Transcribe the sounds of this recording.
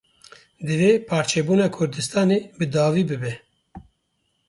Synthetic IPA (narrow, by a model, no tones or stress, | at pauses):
d̪ɨveːpʰɑːɾt͡ʃʰeːbuːnɑːkʰʊɾd̪ɨst̪ɑːneːbɨd̪ɑːviːbɨbɛ